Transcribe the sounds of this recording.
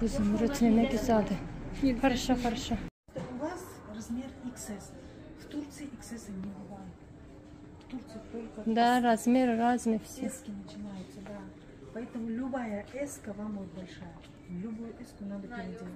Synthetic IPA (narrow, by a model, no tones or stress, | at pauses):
uzɨmɾʊt̪mʲenakʲɪzad̪ɨpʰɐɾʃapɐɾʃa | t̪ʊvas | rɐzmʲeriksɛs | ft̪urt̪sɨjʔɪksesɨnʲɪbɨvajɪt̪ | ft̪urt̪sɨjɪt̪olʲkəd̪aɾazmʲeɾɨɾazmɨfsʲekʲɪnət͡ʃɪnajʊt̪səd̪a | pɐɛt̪əmʊlʲʊbajəʔɛskəvamvot̪̚bɐlʲʂajə | lʲʊbojʊɛskʊnad̪əpʲɪɾʲɪdʲe